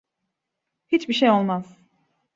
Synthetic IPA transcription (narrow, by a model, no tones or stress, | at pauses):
hit͡ʃbiʃejo̞lˠmaz̥